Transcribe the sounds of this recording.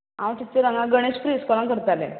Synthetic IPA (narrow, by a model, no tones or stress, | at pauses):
ãwt̪it͡seɾəŋɡãɡəɽ̃eɕpɾiskɔlãŋkəɾt̪alḛ